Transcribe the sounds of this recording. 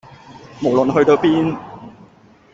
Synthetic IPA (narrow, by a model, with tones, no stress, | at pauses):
mo˨˩wlɵ˨nɦɵ˧ɥt̪o˧wpiː˦˥n